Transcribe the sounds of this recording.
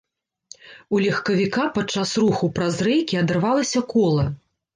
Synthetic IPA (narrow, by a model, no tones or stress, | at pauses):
ulʲɐxkɐvʲikapat͡ʂːasɾuxupɾazɾɛjkʲiɐd̪ɛrvalˠɐsʲɐkɔlˠɐ